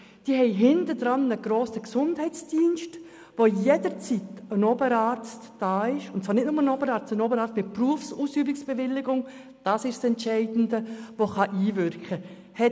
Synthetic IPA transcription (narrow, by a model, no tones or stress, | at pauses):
d̥iːəɦɛɪɦɪntəd̥ɾɑnəɡ̥roːsəksʊndhɛɪt͡sd̥iːnʃt | ʋojedəɾt͡sitənɔbəɾɑːɾt͡std̥ɑːɪʃʊntt͡sʋɑːɾnɪtnʊməənɔbəɾɑːɾt͡stənoːbəɾɑːt͡stmɪpruəfsuːsyːbɪksb̥eʋɪlːɪɡʊŋ | d̥ɑːsɪʃsɛnt͡ʃɛɪdn̩dəvoχɑʔiːvʏɾkχə | hɛ